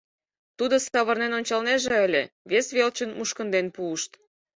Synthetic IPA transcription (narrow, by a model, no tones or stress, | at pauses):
t̪ud̪osɑβə̆rnenonʲt͡ɕɑlneʒeəlʲe | βesβelt͡ɕənmuʃkə̆nd̪enpuːʃt̪